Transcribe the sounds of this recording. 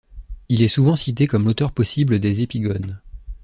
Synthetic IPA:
ilɛsuvɑ̃sit̪ekɔmlot̪œʁpɔsibləd̪ezepiɡɔn

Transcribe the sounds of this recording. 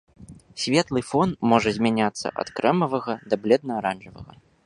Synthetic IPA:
sʲvʲɛt̪lˠɨfɔnmɔʐɐzʲmʲanʲat̪sːɐ̰ʔɐ̰t̪kɾɛmɐvɐɣɐd̪ɐblʲɛd̪̚nɐaɾanʐɐvɐ̰ɣɐ̰

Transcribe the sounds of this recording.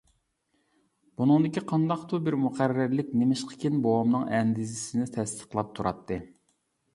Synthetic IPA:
b̥unɨŋd̪ɪkʲiqʰɑnd̪ɑqt̪ʰubɪɾmuqæɾːɪɾlɪkʲnɪmɪʃqʰə̥kʲʰɪnbowɑmnɨŋɛnd̪ɪzɪsɪnɪt̪ʰɛst̪ʰə̥qlˠɑp̚t̪ʰuɾʔɑ̰t̪ʰːɨ

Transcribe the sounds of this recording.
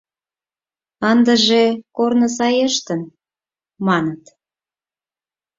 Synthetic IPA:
ənd̪ə̆ʒekornəs̬ɑjeʃt̪ən | mɑnət̪

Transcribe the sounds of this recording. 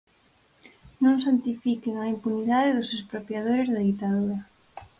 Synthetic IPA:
nõŋsant̪ifikeŋaimpuniðaðeðʊsespɾopjað̞oɾɪzðɐðit̪aðuɾɐ

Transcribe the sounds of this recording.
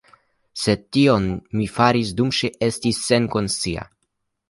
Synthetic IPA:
se̞tio̞nmifaɾisdumʃeʔe̞stisːe̞nko̞nst͡sia̰

